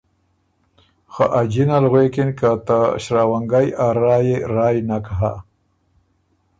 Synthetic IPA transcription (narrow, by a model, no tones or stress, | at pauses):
xa̰ʔad͡ʒinalɣwekɪnkat̪aɕɾawaŋɡajaɾɑːjeɾɑːjnakaɦa̰